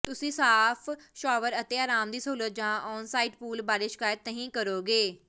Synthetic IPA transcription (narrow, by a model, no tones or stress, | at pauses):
t̪ʊsĩːsaːpʰʃɔːʋəɾət̪eːaːɾaːmd̪iːsəuːlət̪̚d͡ʒãːʔɔːnsaːiːʈpuːlbaːɽeːʃɪ̥kaːjət̪nəɦĩːkəɾoːɡeː